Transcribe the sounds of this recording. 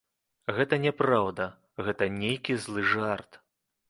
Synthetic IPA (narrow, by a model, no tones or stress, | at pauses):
ɣɛt̪ɐnʲɛpɾawd̪ɐ | ɣɛt̪ɐnʲejkʲizlˠɨʐart̪